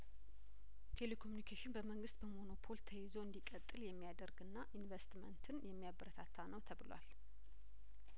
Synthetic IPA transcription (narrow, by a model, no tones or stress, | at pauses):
t̪ʰe̞le̞kʰo̞munikʰeʃɪnbəməŋɡɨst̪̚bəmo̞no̞pʰo̞lt̪ʰəjɪzoɨnd̪ikʼət̪ʼːɨljɛmːijad̪əɾɡɨnːaʔinvest̪mə̰nt̪ʰɨnjɛmːijabəɾət̪ʰat̪ʰːanəwt̪ʰəβɨlwa̰l